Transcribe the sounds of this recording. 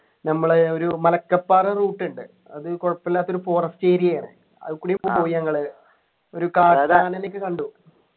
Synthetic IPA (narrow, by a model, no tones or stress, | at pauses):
nɐmːɐɭeo̞ɾumɐlɐkːɐpːaːreruːʈːuɳɖɨ | ɐðɨkoɻɐpːelːaːt̪ːo̞ɾufo̞ːrɐst͡ɕeːɾijɐjaːɳɨ̰ | ɐ̰ðɨkːuːɽijumpoːpo̞ːjiɐŋːɐɭɨ | o̞ɾukaːaːnenikʲːɨkɐɳɖu